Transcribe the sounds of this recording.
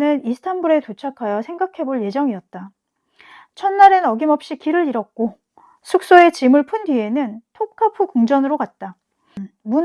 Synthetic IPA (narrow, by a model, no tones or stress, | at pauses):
nɯnisʰɯ̥tʰanbuɾe̞tot͡ɕʰakʰajʌsʰe̞ŋɡakʰe̞boɭje̞d͡ʑʌŋiʌt̚t͈a | t͡ɕʰʌnːaɾe̞nʌɡimʌp̚ɕ͈ikiɾɯɾiɾʌk̚k͈o | sʰuk̚s͈oe̞t͡ɕimɯɭpʰundɥie̞nɯntʰokʰapʰɯkuŋd͡ʑʌnɯɾokat̚t͈a | mu